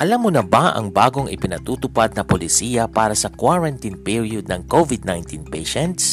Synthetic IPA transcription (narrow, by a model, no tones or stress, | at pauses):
ʔɐlamːʊnɐbaʔɐ̰ŋbaːɡo̞ŋʔɪ̰pɪnɐt̪uːt̪ʊpad̪̚nɐpolɪsiːjɐpaːɾɐsɐkwaɹɐnt̪inpiɹjod̪̚nɐŋkovɪd̪̚najnt̪inpɛjʃɛnt̪s